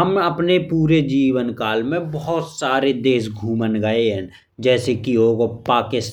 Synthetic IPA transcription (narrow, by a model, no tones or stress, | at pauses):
ɦəməpnepuːɾed͡ʒiːʋənkaːlmẽbəɦʊt̪saːɾed̪eːsɡʱuːmənɡəeɦɛ̃ | d͡ʒɛːsekioːɡopaːkɪs